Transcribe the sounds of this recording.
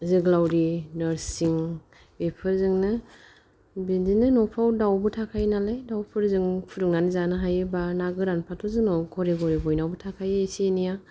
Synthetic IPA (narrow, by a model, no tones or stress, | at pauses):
zɯɡlawɾinaɾsiŋ | epʰɯɾzɯŋnɯ | binzinɯnɔpʰawdawbɯtʰakʰajnalajdawpʰɯɾzɯŋpʰuɾuŋanzanɯɦajebanaɡɯɾanpʰatʰɔzɯnɔkʰɔɾeɡɔɾibɔjnawbɯtʰakʰajesenija